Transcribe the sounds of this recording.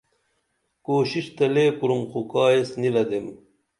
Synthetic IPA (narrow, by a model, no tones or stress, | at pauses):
koːɕiɕt̪ɐleːpuɾumxukaːjesniɾɐd̪em